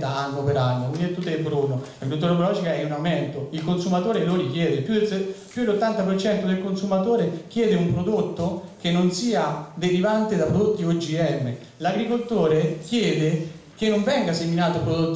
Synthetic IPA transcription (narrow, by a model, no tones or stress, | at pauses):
t̪aanːopeɾanːouniet̪ːut̪ːeebɾunːolaɡɾult̪̬ːuɾepolɔd͡ʒikaɛunawmɛnt̪oilkonsumat̪oːɾeloɾik̟jɛːd̪epupjud̪elːot̪ːant̪apert͡ʃɛnt̪od̪elkonsumat̪oːɾek̟jɛːd̪eumpɾod̪ot̪ːokenːonsiːad̪eɾivant̪ed̪apːɾod̪ot̪ːiod͡ʒiɛmːe | laɡɾikolt̪oːɾekjɛːd̪ekenːoɱvɛŋɡaseminaːt̪opɾod̪ot̪ː